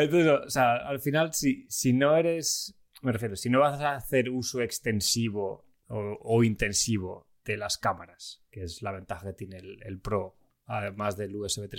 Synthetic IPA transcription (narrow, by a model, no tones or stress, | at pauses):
ent̪oesooseaalfinalsisino̞e̞ɾe̞s | merefjeɾosino̞β̞asaθe̞ɾusoe̞kst̪e̞nsiβ̞o̞ | oːint̪e̞nsiβ̞o̞ | ðe̞laskamaɾaskeeslaβ̞ẽ̞nt̪axake̞t̪jenelḛlpɾo̞ | amazðe̞lueseβet̪ɾe